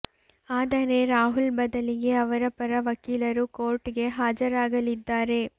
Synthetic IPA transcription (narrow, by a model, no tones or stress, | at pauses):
aːd̪ɐɾe̞ɾaːɦulbɐd̪ɐliɡe̞ɐʋɐɾɐpɐɾɐʋɐkiːlɐɾukoːɾʈiɡe̞ɦaːd͡ʒɐɾaːɡɐlid̪ːaːɾe̞